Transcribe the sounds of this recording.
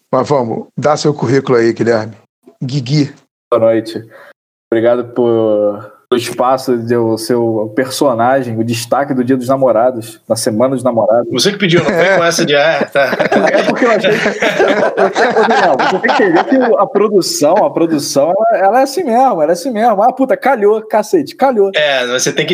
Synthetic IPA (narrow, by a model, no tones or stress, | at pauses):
mɐzvɐ̃mʊ̰d̪asewkuɦikʊlʊaiɡilɛɾmɪ | ɡiɡi | bboɐnojt͡ʃɪ | obɾiɡad̪ʊpʊɾ | ʊiʃpasʊd̪esewpeɾsonaʒẽj̃ʊd͡ʒɪʃt̪akɪd̪ʊd͡ʒiɐd̪ʊʒnamoɾad̪ʊʃ | nɐsemɐ̃nɐd̪ʊʒnamoɾad̪ʊvosekɪpid͡ʒiwnẽjkõɛsɐd͡ʒɪɛt̪aɛpʊχkeewaʃejɛpokod̪usɐ̃mɐset̪ẽj̃kẽvekɪʊɐpɾod̪usɐ̃w̃ɐpɾod̪usɐ̃w̃ɛlɐɛlɐɛasĩmeʒmɐɛlɐɛasĩmeʒmɐaput̪ɐkaʎokaset͡ʃɪ̥kaʎoɛmɐset̪ẽj̃kɪ